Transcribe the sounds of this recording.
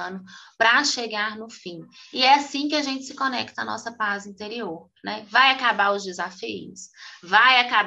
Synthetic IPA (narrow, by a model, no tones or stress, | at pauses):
nʊpɾɐʃeɡaɾnʊfĩɪɛasĩk̬ɪaʒẽnt͡ʃɪ̥sɪkonɛkt̪ɐnɔ̰sɐpazĩnt̪eɾioɾ | nɛvajakabaʊzd͡ʒɪzafijʊ̰svajakab